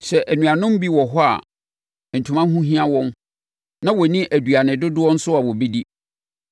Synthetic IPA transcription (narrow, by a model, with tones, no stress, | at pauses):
ɕɛ˨ʔæ˨nũ˨ã˨nʊ̃˦m˦bi˦wɔ˨ɦɔ˦a̰˨ | n̩˨tʰu˨mã˦ɦũ˦ɦĩ˦ã˦wɔ̃˦n | nã˦wɔ˨nĩ˦ʔæ˨du˨a˨nɪ̃˨dʊ˦dʊ˦wɔ̃˦n̩˦sʊ˦a˨wɔ˨bi˦di˦